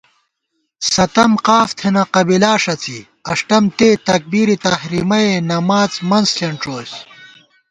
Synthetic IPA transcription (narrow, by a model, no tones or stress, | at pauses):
sɐt̪ɐmqaːft̪ʰenɐqɐbilaːʂɐt͡sḭ | ɐʂʈɐmt̪eːt̪ɐk̚biːɾit̪ɐhɾimɐenɐmaːt͡smɐnzɬɐɳʈ͡ʂoːs